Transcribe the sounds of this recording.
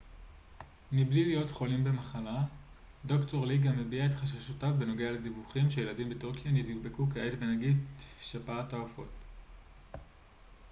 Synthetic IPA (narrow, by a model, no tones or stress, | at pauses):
miblilijo̞tχo̞limbe̞maχala | do̞kto̞ʁliɡame̞biaetχaʃ̬aʃotafbe̞no̞ɡealedivuχimʃejeladimbetuʁkijanitubekukeedbenaɡidti̥fʃapatoafo̞̰t